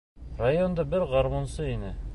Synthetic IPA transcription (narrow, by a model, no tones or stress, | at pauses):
rajond̪ɑbɘɾʁɑɾmonsɤinɘ